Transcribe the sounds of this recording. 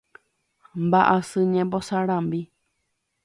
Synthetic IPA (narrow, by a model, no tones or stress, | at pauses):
mbaʔasɨɲẽmbosaɾãmbi